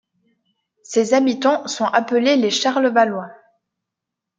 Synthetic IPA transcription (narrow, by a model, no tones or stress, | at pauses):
sezabit̪ɑ̃sɔ̃ʔapəleleʃaʁləvalwɛ̃